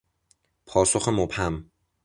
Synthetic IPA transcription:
pʰɒːso̞xemobhæm

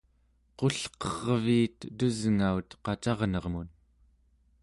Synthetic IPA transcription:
qo̞ɬqʌʁviːt̪d̪uzŋaut̪qɑt͡ʃɑʁnʌʁmun

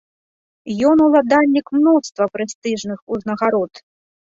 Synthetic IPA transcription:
jɔnulˠad̪alʲːikmnɔst̪vɐpɾɛst̪ɨʐnɨxuznɐɣaɾɔt̪

